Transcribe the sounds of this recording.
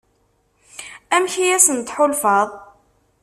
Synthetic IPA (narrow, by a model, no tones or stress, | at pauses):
æmçijæsənt̪ħolfɑðˤ